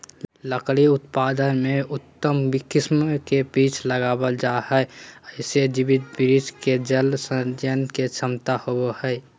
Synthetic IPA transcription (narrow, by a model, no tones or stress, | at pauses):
ləkɽiʊt̪paːd̪ənmẽʊt̪ːəmbikɪsmkebiːt͡ʃʰləɡaːbəld͡ʒahɛeəɪsed͡ʒibɪt̪̚bɪɾisked͡ʒəlsəd̪jənket͡ʃʰəmt̪ahobohɛɪ